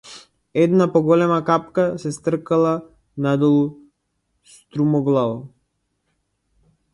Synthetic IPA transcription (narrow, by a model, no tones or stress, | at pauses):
ɛd̪napɔɡɔlɛmakapkasɛst̪r̩kalˠa | nad̪ɔlˠu | st̪ɾumɔɡlˠavɔ